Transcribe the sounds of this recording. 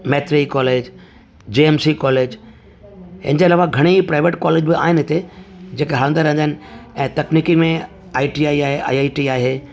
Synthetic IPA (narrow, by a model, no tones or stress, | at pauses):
mɛːt̪ɾikɔːleːd͡ʑ | d͡ʑeːɛmsikɔːleːd͡ʑ | ɦɪ̰̃n̆d͡ʑeːɐlaːʋaɡʱɐɽ̃ipɾaːɪʋeʈkɔːleːd͡ʑbɪa̰ːɦɪnɪɦɪt̪ed͡ʑeːkeɦaə̃nd̪əɾɛ̃nd̪aɦɪnɪ̆ɛ̃ːt̪ɐkniːkimẽ | aːiʈiaːiaːɦeʔa̰ːiaːiʈiaːɦeː